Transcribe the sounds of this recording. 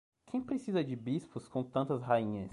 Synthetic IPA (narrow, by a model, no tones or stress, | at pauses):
kʰẽj̃pɾesizɐd͡ʒɪbispʊskõw̃t̪ɐ̃nt̪ɐsɦaĩɲɐs